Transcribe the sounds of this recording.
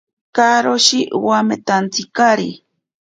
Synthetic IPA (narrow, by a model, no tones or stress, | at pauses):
kaɾoʃiʔwamet̪ant͡sikaɾḭ